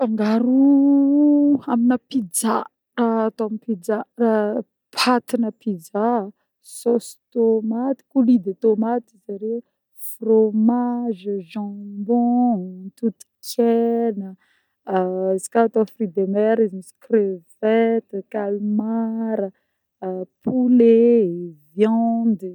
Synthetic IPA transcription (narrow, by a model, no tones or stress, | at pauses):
faŋɡaɾu | aminapid͡za | raːt̪oamipid͡zara | pʰat̪inəpid͡za | sost̪omat̪i̥kulid̪et̪omat̪izaɾe | fromaʒəʒɑ̃mbɔ̃t̪ut̪i̥kʰɛnə | izi̥kat̪afrid̪emɛɾizimisi̥krev̥ɛt̪əkalmaɾə | pʰulevjɑ̃nd̪i